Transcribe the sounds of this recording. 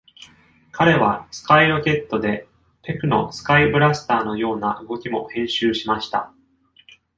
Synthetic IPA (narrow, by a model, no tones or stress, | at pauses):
kʰaɾe̞βasɨ̥kaiɾo̞kʲe̞t̪ːo̞d̪e̞ | pe̞kɯ̟no̞sɨ̥kaibɯ̟ɾasɨ̥t̪aːno̞jo̞ːnaʔɯ̟ɡo̞kʲimo̞hẽ̞ɰ̃ɕɨːɕimaɕi̥t̪a̰